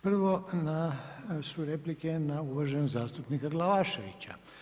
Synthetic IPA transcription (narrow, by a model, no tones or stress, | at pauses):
pr̩ʋo̞nasuɾe̞plikenauʋaʒenozaːst̪upnikaɡlaʋaʃeʋḭt͡ɕa̰